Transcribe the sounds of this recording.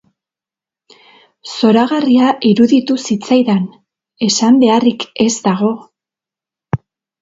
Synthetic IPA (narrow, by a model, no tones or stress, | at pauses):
so̞ɾaɣariaʔiɾuðit̪usit͡sajðan | e̞sambe̞arike̞zd̪aɣ̞o̞